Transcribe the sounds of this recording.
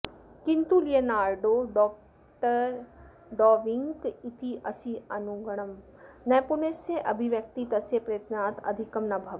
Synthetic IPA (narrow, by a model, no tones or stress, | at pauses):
kɪnt̪ulijənaːɾɖoːɖɔːk̚ | ʈəɾ | ɖɔːʋɪ̃ŋkɪt̪ʰiʔɐsiɐnuɡɐɽ̃əm | nɐjpuneːsːeʔɐbʱiʋjɐk̚t̪it̪ɐsepɾɐjət̪naːt̪ɐ̰d̪ʱikɐmnɐbʱɐʋ